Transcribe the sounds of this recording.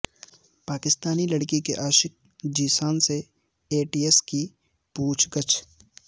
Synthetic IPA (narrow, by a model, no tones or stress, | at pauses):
paːkɪst̪aːnilɐɽkikeʔaːʃɪk̚ | d͡ʒiːsaːnse | eːʈiːeski | puːt͡ʃʰɡət͡ʃʰ